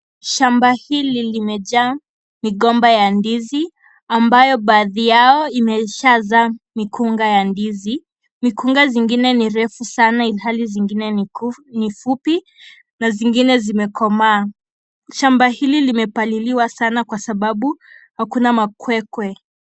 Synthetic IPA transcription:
ʃambahililimɛʄa | miɠɔmbajandizi | ambajɔɓaːðijaɔimɛʃazamikuŋɡajandizi | mikuŋɡaziŋɡinɛniɾɛfusanailɦaliziŋɡinɛnifupi | naziŋɡinɛzimɛkʰɔmaː | ʃambahililimɛpaliliwasanakwasaɓaɓu | hakunamakwɛkwɛ

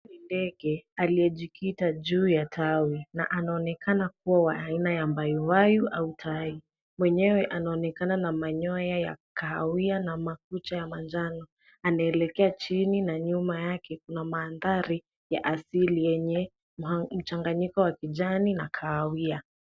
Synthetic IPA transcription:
indɛɡɛalijɛʄikʰitaʄuːjatʰawina̰ʔanaɔnɛkʰanak̚uwawaainajambajɔwajuʔautʰawi | mwɛɲɛwɛʔanaɔnɛkananamaɲɔjaja̰kaːwianamak̚ut͡ʃajamand͡ʒanɔ | anaɛlɛkɛat͡ʃininaɲumajakɛkunamaːnðaɾi | jaʔasilijɛɲɛ | m̩t͡ʃaŋɡaɲikɔwakiʄaninakʰaːwia

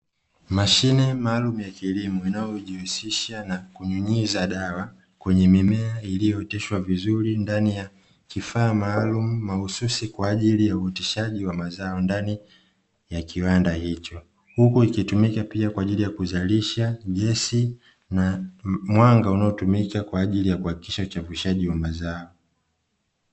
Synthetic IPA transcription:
maʃinɛmaːlumujakilimuinajɔʄihusiʃanakuɲuɲizaɗawa | kwɛɲɛmimɛailijɔɛtɛʃwavizuɾindanija | kifaːmaːlumumahususikwaːʄilijauɛtɛʃaʄiwamazaɔndani | jakʰiwandahit͡ʃɔ | hukuikitumikapiakwaːʄilijakuzaliʃaɠɛsi | namwaŋɡaunaɔtumikakwaːʄilijakuhaki̥kiʃaut͡ʃaviʃaʄiwamazaɔ

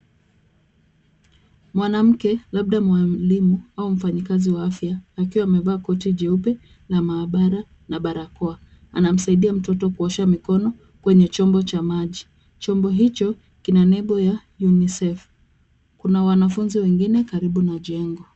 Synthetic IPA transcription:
mwanam̩kɛlaɓ̚ɗamwalimuaum̩faɲikaziwaafjaːkiwaːmɛvaːkɔtiʄɛupɛ | lamaːɓaɾa | naɓaɾakɔa | a̰nam̩saiɗiam̩tɔtɔkuɔʃamikɔnɔ | kwɛɲɛt͡ʃɔmbɔt͡ʃamaʄi | t͡ʃɔmbɔɦit͡ʃɔ | kinanɛɓɔja | junisɛf | kunawanafunziwɛŋɡinɛkaɾiɓunaʄɛŋɡɔ

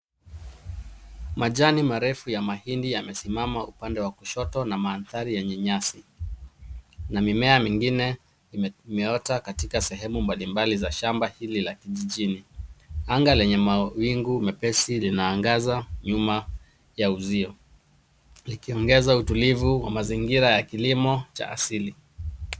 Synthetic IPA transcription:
maʄanimaɾɛfujamahindijamɛsimamaupandɛwakuʃɔtɔnamaːnθaɾijɛɲɛɲasi | namimɛamiŋɡinɛ | imɛɔtakatikasɛɦɛmumbalimbalizaʃambahililakiʄiʄiniaŋɡalɛɲɛmawiŋɡumɛpɛsilinaːŋɡazaɲuma | jauziɔ | likiɔŋɡɛzautulivuwa̰maziŋɡiɾajakilimɔt͡ʃa̰a̰sili

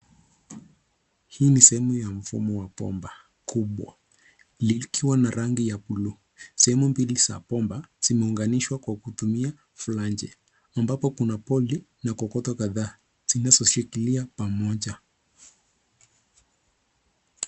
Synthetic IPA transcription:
hiːnisɛhɛmujam̩fṵmɔwapɔ̰mba | kʰuɓwa̰ | likʰiwanaɾaŋɡijapulu | sɛhɛmumbilisa̰pɔmbaz̥imɛuŋɡaniʃwakwakutumia | fuland͡ʒɛ̰ | ambapɔkunapɔli | nakɔkɔtɔkaðaː | z̥inazɔʃikiliapamɔʄa

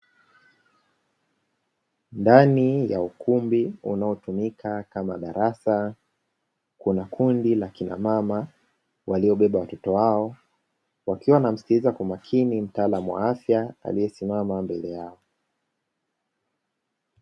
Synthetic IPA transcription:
ndanija̰ukʰumbiṵnaɔtumikʰakama̰ɗaɾasa | kunakʰundilakina̰mama | waliɔɓɛɓawatɔtɔwaɔ | wakiwanam̩si̥tizakumakʰinim̩taːlamuwa̰afjaa̰lijɛsimamambɛlɛjaɔ

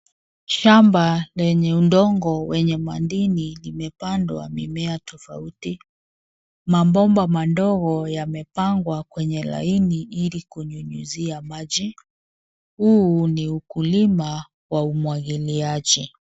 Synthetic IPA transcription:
ʃambalɛɲɛundɔŋɡɔwɛɲɛmandininimɛpandwa̰mḭmɛatɔfa̰uti | mambɔmbamandɔɣɔjamɛpaŋɡwakwɛɲɛla̰iniʔilikuɲuɲuziamad͡ʒi | huːniukulima | waumwaɣiliaʄi

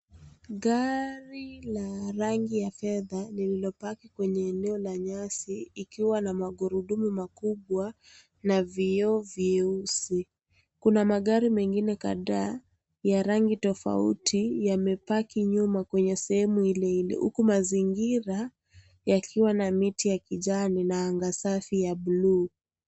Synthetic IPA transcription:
ɠaɾilaɾaŋɡijafɛðanililɔpakikwɛɲɛːnɛɔlaɲasiːkiwanamaɠuɾuɗumumakuɓwa | naviɔvjɛusi | kunamaɠaɾimɛŋɡinɛka̰ðaː | jaɾaŋɡitɔfa̰ṵtʰijamɛpakiɲumakwɛɲɛsɛhɛmuilɛilɛ̰hṵkumaziŋɡiɾa | jakʰiwanamitijakiʄaninaːŋɡasafijaɓluː

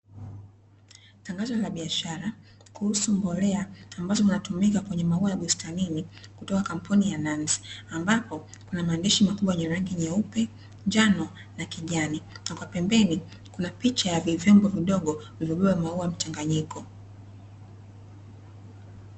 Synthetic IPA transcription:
taŋɡazɔlaɓiaʃaɾa | kuhusumbɔlɛaːmbazɔvinatumikakwɛɲɛmauajaɓustaninikutɔkakam̩punijanansi̥ambapɔ | kunamaɛndiʃimakuɓwawjɛɲɛɾaŋɡiɲɛupɛ | ɲd͡ʒanɔ | nakiʄaninakwapɛmbɛni | kunapit͡ʃajavivɛmbɔviɗɔɠɔvivɔɓɛɓamauajm̩t͡ʃaŋɡaɲikɔ

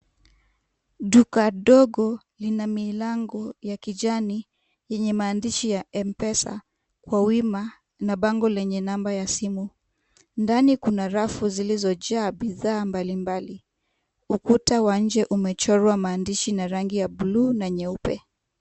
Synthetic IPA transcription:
ɗukaɗɔɡɔ | linamilaŋɡɔjakiʄani | jɛɲɛmaːndiʃijaɛmpɛsa̰ | kwawima | naɓaŋɡɔlɛɲɛnambajasimu | ndanikunaɾafuzilizɔʄaːɓiðaːmbalimbali | ukutawaɲ̩d͡ʒɛʔumɛt͡ʃɔɾwamaːndiʃinaɾaŋɡijaɓuluːnaɲɛupɛ

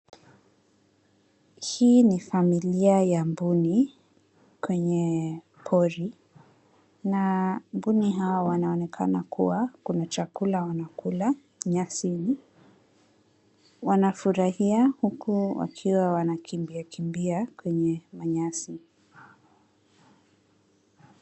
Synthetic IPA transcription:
hiːnifamiliajambuni | kwɛɲɛ | pʰɔɾi | nambuniɦawawanaɔnɛkʰa̰nakṵwakunat͡ʃakulawanakula | ɲasini | wanafuɾahiahukuwa̰kʰiwawanakʰimbiakimbiakwɛɲɛmaɲasi

